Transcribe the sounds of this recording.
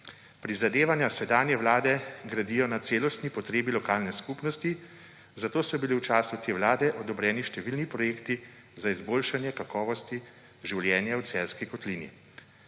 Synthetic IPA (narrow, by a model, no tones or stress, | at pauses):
pɾizad̪eːʋanjasɛd̪aːnjɛʋlaːd̪ɛɡɾad̪iːjɔnat̪seːlɔst̪nipɔt̪ɾeːbilɔkaːlnɛskupnɔst̪i | zat̪oːsɔbiliwt͡ʃaːsut̪eːʋlaːd̪ɛʔɔd̪ɔbɾɛːniʃt̪ɛʋiːlnipɾɔjeːkt̪i | zaizboːlʃanjɛkakɔːʋɔst̪i | ʒiwljɛːnjawt̪sɛlskikɔt̪liːnḭ